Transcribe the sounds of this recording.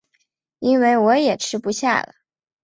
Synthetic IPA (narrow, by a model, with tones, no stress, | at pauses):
i˥nwe˥˩ɪwɔ˧˥jɛ˨˩ʈ͡ʂʰɻ̩˥pu˧˥ɕja̰˥˩lə̰˩